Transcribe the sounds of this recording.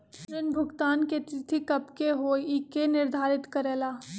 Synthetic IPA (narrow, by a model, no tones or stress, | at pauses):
ɾɪnbʱʊɡt̪aːnket̪ɪt̪ʰikɐpkeɦoːikenɪɾd̪ʱaːɾɪt̪kəɾeːlaː